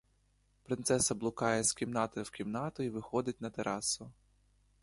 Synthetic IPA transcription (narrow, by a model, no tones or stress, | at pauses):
pɾɪnt̪sɛsɐblˠʊkɑjɛskʲimnɑt̪ɔwkʲimnɑt̪ʊiʋɪxɔd̪ɪtʲnɐt̪eɾʔɑsʊ